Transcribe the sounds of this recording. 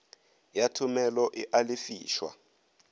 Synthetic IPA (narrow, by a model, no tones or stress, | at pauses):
jatʰumɛlɔʔiʔalifḭːʃwa̰